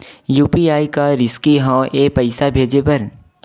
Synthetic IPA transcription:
juːpiaːikaɾɪskiɦãːʔeːpɐɪsabʱeːd͡ʒepɐɾ

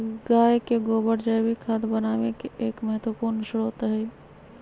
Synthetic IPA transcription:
ɡaːjkeɡoːbəɾd͡ʒəjbikʰad̪bənaːʋekeeːkməɦət̪wəpuɾnsɾoːt̪ɦɛ

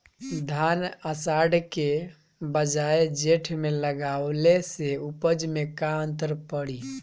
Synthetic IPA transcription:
d̪ʱanəsaɖke | bəd͡ʒaed͡ʒeʈʰmeləɡawleseupəd͡ʒmekaənt̪əɾpəɽi

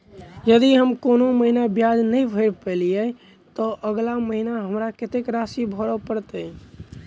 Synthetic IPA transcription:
jəd̪iɦəmkonoməɦinabjad͡ʒnəjbʱəɾpəlijɛ | t̪ɔʔəɡlaməɦinaɦəmɾaket̪ekɾasibʱɔɾɔpəɾt̪ə

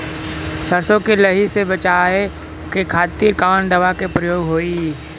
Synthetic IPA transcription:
sɐɾsõkelɐɦisebɐt͡ʃae | kekʰaːt̪iːɾkaːnd̪ɐʋakepɾəjoːɡɦoːiː

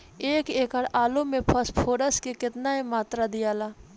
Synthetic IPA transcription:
eːkeːkəɾaːlomẽpʰəspʰoːɾəskekɪt̪naemaːt̪ɾad̪ɪjaːlaː

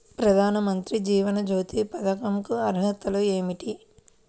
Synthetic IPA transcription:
pɾɐd̪ʱaːnɐmɐnt̪ɾid͡ʒiːʋɐnɐd͡ʒoːt̪ipɐd̪ɐkɐmkuɐɾɦɐt̪ɐlueːmiʈi

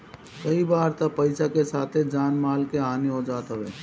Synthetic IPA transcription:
kɐibaːɾt̪ɐpɐɪsakesaːt̪ʰed͡ʒaːnmaːlkeaːniɦod͡ʒaːt̪aʋeː

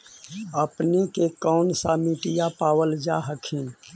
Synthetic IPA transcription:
əpnekekɔːnsamiʈɪjapaːwəld͡ʒa̰ɦəkʰin

